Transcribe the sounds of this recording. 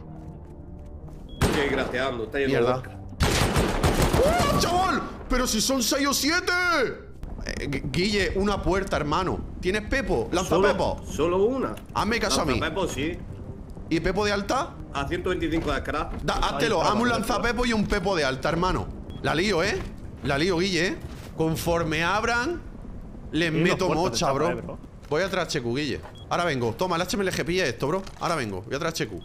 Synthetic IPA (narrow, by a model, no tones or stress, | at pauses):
keɣɾaθjand̪oet̪ajenmj̪eɾða | ot͡ʃaβolpe̞ɾosisonsejosjet̪ḛ | ɡiʎeʔunapwe̞ɾt̪aeɾmãno̰t̪jenehpepolan̟sθopepo̰solouna̰ | a̰mːekasoamiḭ̃eposi | ipe̞poðealt̪a | aθjent̪oβent̪iθiŋkoðekɾad̪aʔat̪eloʔamũlːan̟θape̞p̬oiumpe̞p̬oðealt̪aeɾmãno̰ | lalioelalioɣiʎe | koɱfoɾmeaβɾaŋ | lemmet̪omot͡ʃaβɾo | bojat̪ɾat͡ʃekuɣ̞iʎḛ | aɾaβẽ̞ŋɡot̪omalat͡ʃemelexepiʎeeht̪oβɾoa̰ɾaβeŋɡo̰bojat̪ɾat͡ʃekṵ